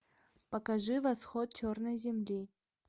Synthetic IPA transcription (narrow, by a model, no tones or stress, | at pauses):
pəkɐʐɨvɐsxot̪̚t͡ɕornəjzʲɪmlʲi